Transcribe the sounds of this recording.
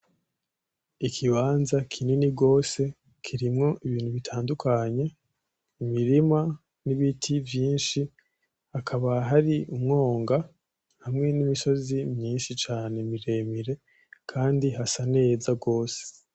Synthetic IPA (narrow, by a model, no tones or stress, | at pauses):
ikʰiβaːnzakʰininiɡo̞ːse̞ | kʰiɾimŋo̞ʔiβiːn̥huβitʰaːndukʰaɲe̞ | imiɾima | niβitʰivjiːnʃi | hakʰaβaɦaɾiumŋo̞ːŋɡa | hamŋe̞nimiʃo̞zimɲiːnʃit͡ʃaːne̞miɾe̞miɾe̞ | kʰaːndiɦasane̞ːzaɡo̞ːse̥